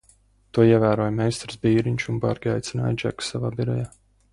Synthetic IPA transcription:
t̪uɔiɛvæːɾuɔjmɛjst̪ɾsbiːɾiɲʲt͡ʃumba̰ɾɡʲiajt̪sina̰ːjd͡ʒa̰ksavaːbiɾɔjaː

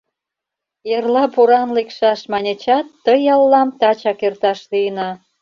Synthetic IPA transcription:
jerlɑpuɾɑnlekʃɑʃmɑnʲet͡ɕɑt̪ːəjɑlːɑmt̪ɑt͡ɕɑkert̪ɑʃlijənɑ

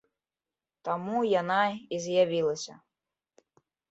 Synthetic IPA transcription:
t̪amujanaizʲjavʲilˠɐsʲɐ̰

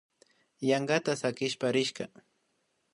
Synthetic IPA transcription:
jaŋɢat̪asakɪʃpaɾɪʃɢɑ

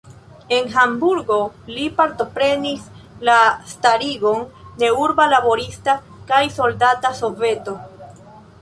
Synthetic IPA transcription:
e̞nɦambuɾɡo̞lipaɾto̞pɾe̞nislastaɾiɡo̞nde̞uɾbalabo̞ɾista | kajso̞ldataso̞ve̞to̞

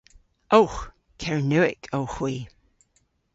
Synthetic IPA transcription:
owx | kʰɛɹnʉːɪkʰowxwiː

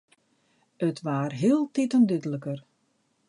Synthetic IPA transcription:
ətʋaːrɦiəlˠtitəndydələkər

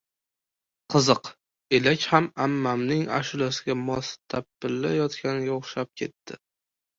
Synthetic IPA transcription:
qʰɨzɨq | e̞lakʲhamamːamnɪŋa̰ʃʊlasɪɡʲamɒst̪ʰapːɪlːajɒt̪kʲʰanɪɡʲaoχʃap̚kʲʰe̞t̪ʰːɪ

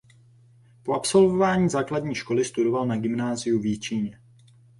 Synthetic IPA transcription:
po̞ʔapso̞lvo̞vaːɲiːzaːkladɲiːʃko̞lɪst̪udo̞valnaɡɪmnaːzɪjuvjɪt͡ʃiɲɛ

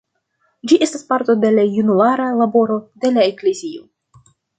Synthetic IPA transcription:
d͡ʒiʔe̞staspaɾt̪o̞de̞lajunuaɾalabo̞ɾo̞d̪e̞laekle̞zio

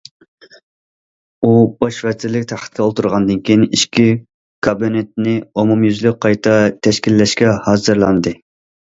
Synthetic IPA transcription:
ub̥ɑʃvɛt̪ɪlːɪkʲt̪ʰæχʰə̥t̪̚kʲɛolˠt̪ʰuɾʁɑnd̪ɨnkʲʰijiniʃkʲʰi | kʰɑbinɪt̪̚nɪomumjyzlyqʰɑjt̪ʰɑt̪ʰɛʃkʲilːɛʃkʲɛhɑːzɨɾlˠɑnd̪ɨ

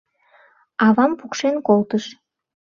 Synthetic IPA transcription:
ɑβɑmpukʃenkolt̪əʃ

